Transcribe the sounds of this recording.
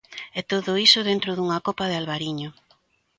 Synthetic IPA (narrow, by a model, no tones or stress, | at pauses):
ɛt̪oðʊisʊðent̪ɾʊðuŋakopaðealβaɾiɲo